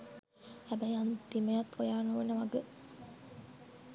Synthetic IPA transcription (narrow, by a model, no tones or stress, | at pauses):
hæbæjant̪imejɐt̪ːojaːnuʋenəʋaɡə